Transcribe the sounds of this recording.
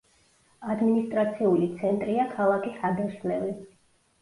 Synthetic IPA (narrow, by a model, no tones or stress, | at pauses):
ad̪minist̪ʼɾat̪sʰiulit̪sʰɛnt̪ʼɾiakʰalˠakʰisad̪ɛʃlɛvi